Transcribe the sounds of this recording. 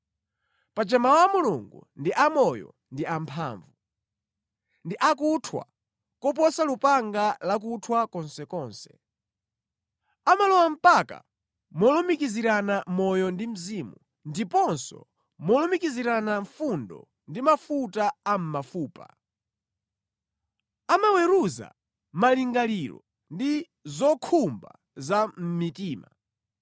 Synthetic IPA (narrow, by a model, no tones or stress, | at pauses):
pat͡ʃɛmawamuluŋɡṵndiʔamɔjɔ̰ | ndiampʰa̰ːɱvu | ndiʔakutʰwa̰ | kɔp̬ɔsalupaŋɡalak̬utʰwakɔnsɛkɔːnsɛ̥ | amalɔwam̩paka̰ | mɔlɔmikiziɾanamɔjɔndim̩zimu | ndipɔnsɔ̰ | mɔlɔmikiziɾanaɱfundɔ̰ | ndimafutaam̩mafuːpa̰ | amawɛɾuza̰ | maliŋɡaliɾɔ̰ | ndi | zɔkʰumba̰ | zam̩mitiːma